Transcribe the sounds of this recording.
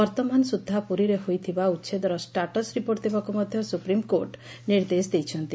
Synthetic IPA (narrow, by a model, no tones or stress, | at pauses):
bɔɾt̪ɔmansud̪ʱːapuɾiɾehojt̪ʰibautːʃʰed̪ɔɾɔsʈaʈɔsɾipoɾt̪ʰibakumɔd̪ʱjɔsupɾimkoɾʈ | niɾd̪esd̪ejt͡ʃʰɔnt̪i